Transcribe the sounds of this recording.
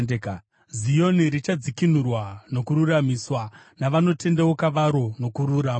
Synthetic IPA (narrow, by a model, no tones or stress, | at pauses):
zijo̞niɾit͡ʃad͡zikin̤urwano̞kuɾuramiswa | naʋano̞te̞ndewokaʋaɾo̞no̞kuɾuɾaːm